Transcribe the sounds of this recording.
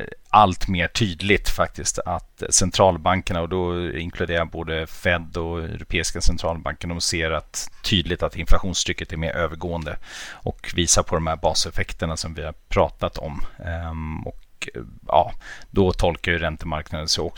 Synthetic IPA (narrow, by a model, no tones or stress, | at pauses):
alt̪meːʈʰyːd̪lɪt̪fak̚t̪ɪst̪ʰat̪sɛnt̪ʰɾɑːlbaŋkəɳaɔd̪ɔɪ̰ŋkʰlɵd̪eːɾaboːd̪əfɛd̪ɔɛ̰ɾʊpʰeːɪskasɛnt̪ʰɾɑːlba̰ŋkəɳɔseːɾat̪ʰːyːd̪lɪt̪at̪ɪnflaɧuːnst̪ʰɾʏkːət̪ɛɾmḛːɾʔøːvəɾɡoːənd̪əʔɔkviːsaɾpʰɔd̪ɔmhæːɾbɑːsɛfɛkt̪əɳasɔmvɪhaɾpʰɾɑːt̪at̪ʰɔ̰m | ɔ̰k | jɑ̰ːd̪ɔt̪ʰɔlkajɵɾɛnt̪əmaɾknad̪ənsɔɔk